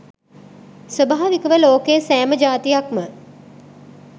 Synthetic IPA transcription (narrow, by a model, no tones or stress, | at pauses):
sʋəbaɦːʋikəʋəloːkejəsæːməd͡ʒaːt̪ijakmə